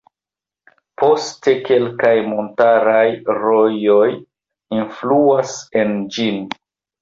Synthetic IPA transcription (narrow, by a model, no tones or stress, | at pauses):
po̞ste̞ke̞lkajmontaɾajɾojo̞j | influase̞nd͡ʒin